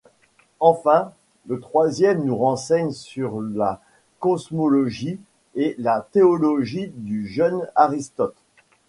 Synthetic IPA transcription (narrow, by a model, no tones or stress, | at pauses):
ɑ̃fɛ̃ | lət̪χwazjɛmnuʁɑ̃sɛɲsyʁla | kɔsmɔlɔʒi | elat̪eɔlɔʒid̪yʒœnaʁist̪ɔt̪